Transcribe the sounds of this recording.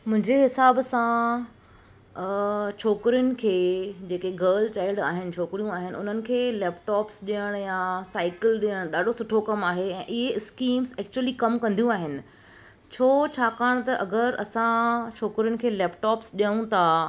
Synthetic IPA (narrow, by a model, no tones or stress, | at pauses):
mʊ̃ɦɪ̃ɲd͡ʑeɦɪsaːbsã | t͡ɕʰoːkɪɾijʊnɪ̆kʰeːd͡ʑeːkeɡəːɾlt͡ɕaːɪlɖa̰ːɦɪnɪ̆t͡ɕʰoːkɾijũaːɦɪnɪ̆ʊ̰n̤ənɪ̆kʰeːlɛːpʈɔːpsɗijəɽ̃jasaːɪkɪlɗijəɽ̃ɗaːɖʱosʊʈʰokɐmaːɦeɛ̃ːʔɪɦeɪskiːmzɛːk̚t͡ɕuəlikɐmkɐ̃nd̪ijũaːɦɪnɪ̆ | t͡ɕʰoːt͡ɕʰaːkaːɽ̃t̪ɐʔɐɡəɾɐsãt͡ɕʰoːkɾijʊnɪ̆kʰeːlɛːpʈɔːpsɗijəɽ̃ũt̪ʰa